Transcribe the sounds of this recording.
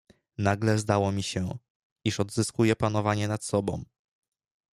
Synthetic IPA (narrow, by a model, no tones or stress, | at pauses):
naɡlɛzd̪awɔmʲiɕɛ | iʂɔd̪zɘskujɛpan̪ɔvaɲɛnat̪sɔbɔ̰̃w̃